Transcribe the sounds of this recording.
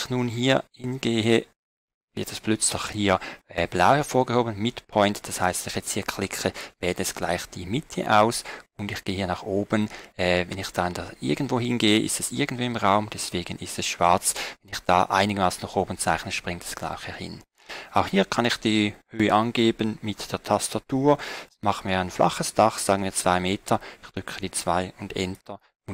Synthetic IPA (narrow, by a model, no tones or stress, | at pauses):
xnuːnɦiːɐhɪnɡeːə | vɪɐtʰɛspʰlʏt͡slɪxhiːɐɛb̥laʊhɛɐfoːɐɡəhoːbənmɪtpʰɔʏntd̥ashaɪstv̥ɛnɪχjɛt͡sthiːɐkʰl̥ɪkʰəv̥ɛːdəɛsɡ̥la̰ɪxd̥iːmɪtʰə̰ʔaʊsʊndɪxɡ̥eːəhiːɐnaχʔoːbənɛːvɛnɪxd̥andaʔɪ̰ɐɡən̩tv̥oːhɪnɡeːəʔɪ̰stɛsʔɪɐɡən̩tdv̥iːɪmʁaʊmd̥ɛsv̥eːɡənɪstɛsʃv̥aɐt͡svɛnɪxd̥a̰ːʔaɪnɪɡəmaːsn̩naχoːbənt͡saɪxnəʃpʁɪŋtɛ̥sɡ̥la̰ɪxəhɪ̰n | ʔaʊxhiːɐkʰɑnɪxd̥iːhøːəʔɑnɡeːbənmɪtd̥eːɐtʰastatuːɐmɑχəmiːɐaɪnflʔa̰χəsd̥aχz̥aːɡən̩miːɐt͡sv̥aɪmeːtʰɐɪxd̥ʁʏkʰəd̥iːt͡sv̥aɪʊndɛ̰ntʰɐ | ʊn